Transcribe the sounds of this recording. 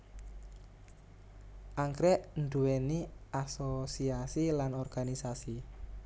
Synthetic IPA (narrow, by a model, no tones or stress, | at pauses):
ʔaŋkɾɛʔnɖ̪uweniʔasosiasilanɔrɡ̥anisasi